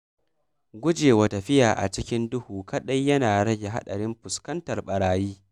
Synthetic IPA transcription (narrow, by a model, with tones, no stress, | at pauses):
ɡʷʊ˦d͡ʒeː˨wa˨tɐ˨ɸɪ˦jaː˨ʔa̰˨t͡ʃɪ˦kʲɪ˦ndʊ˦huː˨kɐ˨ɗɐ˦jːɐ˦naː˨ɽɐ˦ɡʲe˨ɦa̰˦ɗɐ˨ɽɪ˦mɸʊ˨skɐ˦ntɐ˨rɓɐ˨ɽaː˨jiː˦